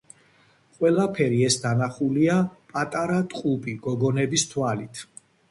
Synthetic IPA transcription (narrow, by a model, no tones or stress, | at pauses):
qʼwɛlapʰɛɾiɛsd̪anaχuliapʼat̪ʼaɾat̪ʼqʼupʼiɡɔɡɔnɛbist̪ʰwalit̪ʰ